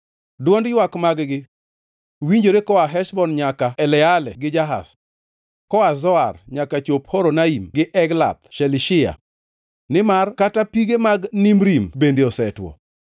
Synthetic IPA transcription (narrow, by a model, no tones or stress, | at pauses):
dwɔndjwakmaɡɡɪ | wiɲd͡ʒoɾekɔaɦɛʃbɔnɲakaɛlɛalɛɡɪd͡ʒaɦa̰s | kɔazɔarɲakat͡ʃophoɾɔnaimɡɪʔɛɡla̰t̪̚ʃɛliʃɪa̰ | nɪmarkatapiɡemaɡnimɾimbendeɔsɛtwɔ̰